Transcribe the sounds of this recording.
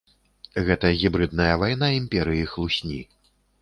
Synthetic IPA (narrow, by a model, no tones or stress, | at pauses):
ɣɛt̪ɐɣʲibɾɨd̪̚nɐjɐvajn̪aimʲpʲɛɾɨjixlˠusʲnʲḭ